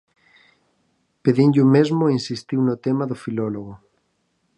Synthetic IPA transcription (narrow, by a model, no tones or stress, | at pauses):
peðinʎʊmezmʊinsist̪iwnʊt̪emaðʊfilɔloɣo